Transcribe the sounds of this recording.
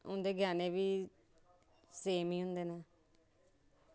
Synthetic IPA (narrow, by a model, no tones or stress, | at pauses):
ʊ̰nd̪eːɡʱaːneːʋiː | seːmiːɦʊ̃nd̪eːnaː